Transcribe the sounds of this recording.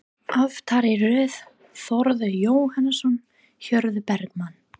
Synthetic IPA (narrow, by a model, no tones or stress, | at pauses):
avt̪ʰaɾɪɾœːð | θɔɾðʏjoːwhanːɪsɔn | çœɾðʏpɛɾkmanː